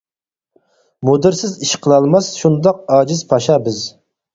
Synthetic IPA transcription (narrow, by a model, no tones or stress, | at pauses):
mod̪ɪɾsɪziʃqʰəlˠɑlˠmɑsʃund̪ɑq̚ɑːd͡ʒɪzpʰɑʃɑbɪz